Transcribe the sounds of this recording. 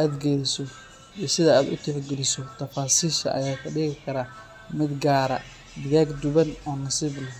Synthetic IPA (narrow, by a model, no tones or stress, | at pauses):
ʔaːd̪ɡɛlɪsɔ | isɪðɐaːd̪ʊ̰t̪ʰɛħɡɛlɪsɔt̪ʰɐfaːsiːʃɐ̰ʔɐ̰jaːkʰɐɖɪɣɪkʰɐɾaː | mɪd̪ɡaːɾɐ̰ | d̪ɪɣaːɡd̪ʊβɐnɔːnɐsiːblɐɦ